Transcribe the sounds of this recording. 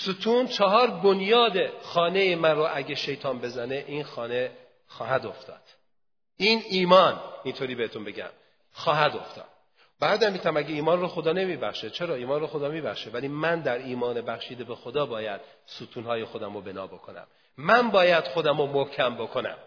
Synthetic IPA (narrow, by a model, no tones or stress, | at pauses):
sut̪ʰunt͡ʃʰɒɦɒːɾbonjɒːd̪exɒːnejemænroʔæɟeʃe̞jt̪ʰɒːnbe̞zæne̞ʔinxɒːne̞ | xɒːɦæd̪o̞ft̪ʰɒ̰ːd̪̥ | iniːmɒːnint̪ʰoːɾiːbehet̪ʰonbe̞ɟæ̰m | xɒːɦæd̪o̞ft̪ʰɒ̰ːd̪̥ | bæɾd̪æmmit̪ʰæmæɟeiːmɒːnroxo̞d̪ɒːne̞miːbæχʃet͡ʃʰe̞ɾɒːiːmɒːnroxo̞d̪ɒːmiːbæχʃevæliːmænd̪æɾiːmɒːnebæxʃiːd̪ebexod̪ɒːbɒːjæd̪̥ | sut̪ʰuːnhɒːjexo̞d̪æmobe̞nɒ̰ːbo̞kʰo̞næ̰mː | ænbɒːjæd̪̥xo̞d̪æmomohcʰæmbo̞kʰo̞næ̰m